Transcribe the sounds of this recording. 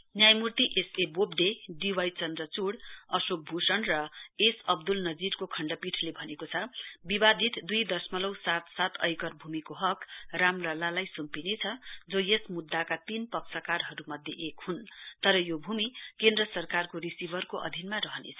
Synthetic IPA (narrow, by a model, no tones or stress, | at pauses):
njajmurt̪iʔesebobɖ̪eɖiwajt͡sʌnd̪rʌt͡suɽʌsok̚bʱusʌnrʌesʌb̚d̪ulnʌd͡ziɾkokʰʌɳɖʌpiʈʰlebʱʌnekot͡sʰʌbibad̪ʱit̪d̪ujd̪ʌrsmʌlʌwsat̪sat̪ʰʌ̰jkʌrbʱumikoɦʌkramlʌlalajsumpinet͡sʰʌd͡zojesmud̪ːakat̪inpʌksʰʌkarɦʌɾumʌd̪ʱjeʔekhunt̪ʌɾʌjobʱumikend̪rʌsʌrkarkorisibʱʌrkoʔʌ̰d̪ʱinmarʌɦʌnḛt͡sʰʌ̥